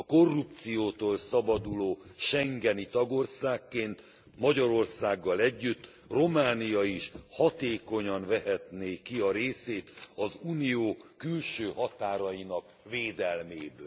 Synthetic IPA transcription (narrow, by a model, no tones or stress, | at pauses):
ɒko̞rːup̚t̪sijoːt̪oːlsɒbɒd̪uloːʃɛŋɡɛnit̪ɒɡo̞rsaːkːeːnt̪ | mɒɟɒɾo̞rsaːɡːɒlɛɟːyt̪ː | ro̞maːnijɒiʃhɒt̪eːko̞ɲɒnvɛɦɛt̪neːkːiɒɾeːseːt̪ɒzuːnijoːkylʃøːhɒt̪aːɾɒjinɒk | veːd̪ɛlmeːbøː